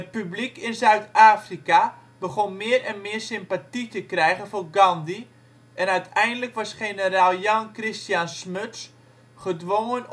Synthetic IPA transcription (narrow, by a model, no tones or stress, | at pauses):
ət̚pyblikɪnzœɥtaːfrika | bəχonmɪərɛnmɪːrsɪmpatitəkrɛjɣənfoːrɡɑndi | ʔɛnœɥtʰɛjndələkʋɑsχenəraːlˠjɑŋkrɪstjansmøts | χədʋoŋən